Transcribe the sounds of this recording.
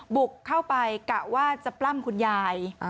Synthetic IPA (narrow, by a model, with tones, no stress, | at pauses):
bu˨˩kʰːa˥˩wpa˧jka˨˩waː˥˩t͡ɕa˨˩pla˥˩mkʰu˧njaː˧j